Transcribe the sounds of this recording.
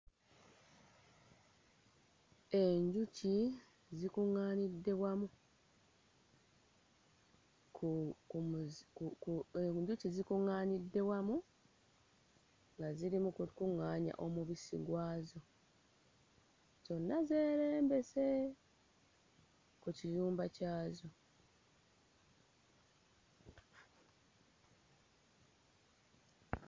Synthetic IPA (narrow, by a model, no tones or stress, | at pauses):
e̞ɲɟuci | zikuŋaːnidːe̞wamu | u | kukueɲɟucizikuŋːaːnidːe̞wamu | ŋɡaziɾimukukuŋːaːɲa̰ʔo̞muβisḭɡwaːzo̞ | z̥o̞nːaze̞ːɾe̞ːmbe̞se̞ | kucijuːmbacaːzo̞